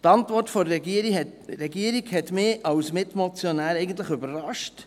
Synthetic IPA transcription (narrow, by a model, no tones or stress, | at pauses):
tɑntʋɔrtfɔɾɛɡiəɾihɛtɾɛɡiəɾiɡhɛtmɪɑwsmɪtmɔt͡sjonæːɾɛɪɡəntləχʏbərrɑʃt